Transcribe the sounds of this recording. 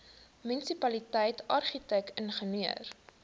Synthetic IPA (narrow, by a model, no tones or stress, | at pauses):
mynisipɐlitɛjtɐrχitɛk̚ənχəniə̰r